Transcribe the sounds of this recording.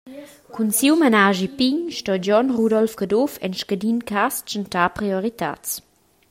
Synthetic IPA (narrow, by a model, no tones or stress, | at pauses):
kunsiwmanaʒipiɲʃtɔd͡ʒɔnʁudɔlfɡadofɛ̰nʃkadinkast͡ʃəntapʁioʁit̪a̰t͡s